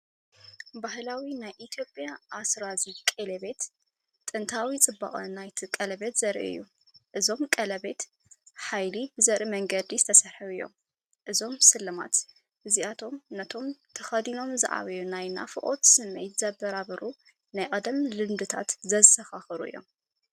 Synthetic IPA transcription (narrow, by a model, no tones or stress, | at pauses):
bahlawinajʔit̪ʰijo̞pʼjaʔasɾazikʼelɐβe̞t̪ | t̪ʼːɨnt̪ʰawit͡sʼɨbːa̰χʼɨnajt̪ʰikʼɐlɐβe̞t̪zɐɾʔḭɨ̰jːu | ʔɨzo̞mkʼɐlɐβe̞t̪ | ħajlibɨzɐɾʔimɐŋɡɐd̪izɨt̪ʰɐsɐɾħɐɨjːo̞̰m | ʔɨzo̞msɨlːɐma̰t̪ | ʔɨziat̪ʰo̞mnɐt̪ʰo̞mt̪ʰɐxɐd̪ino̞mzɨ̰ʕa̰βɐjunajna̰fɨʔʼo̞̰t̪sɨmːejt̪z̥ɐbɐɾaβɐɾʔu | najkʼɐd̪ɐmlɨmd̪ɨt̪ʰa̰t̪zɐsɐxaxɨɾuɨ̰jːo̞̰m